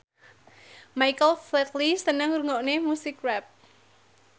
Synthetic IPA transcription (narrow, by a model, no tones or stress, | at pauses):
majkəlflɛt̪lisənəŋɾuŋɔʔnemusɪkrɛp̚